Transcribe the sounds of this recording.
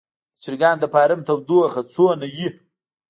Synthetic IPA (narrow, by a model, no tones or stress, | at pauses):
t͡siɾɡaːnd̪əpaːɾɐmt̪ʰɐwd̪uɐxɐt͡sʰoːnɐji